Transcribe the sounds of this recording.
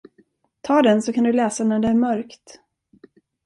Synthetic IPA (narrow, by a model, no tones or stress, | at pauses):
t̪ʰɑːd̪ɛnsɔkʰand̪ɵlɛːsanæɖɛæɾmœɾkt̪